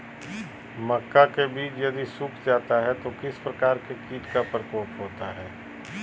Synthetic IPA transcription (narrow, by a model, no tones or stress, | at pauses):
mɐkːakebiːt͡ʃjɐd̪isʊkʰd͡ʒaːt̪aɦɛt̪okɪspɾɐkaːɾkekiːʈkapɐɾpoːʈɦoːt̪aɦɛː